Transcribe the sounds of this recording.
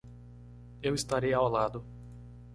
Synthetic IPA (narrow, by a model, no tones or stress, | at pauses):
ewist̪aɾejɐawlad̪ʊ